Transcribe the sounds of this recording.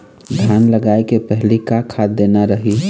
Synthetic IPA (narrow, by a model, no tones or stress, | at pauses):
d̪ʱjanləɡaekepəɦlikakʰad̪enaɾəɦi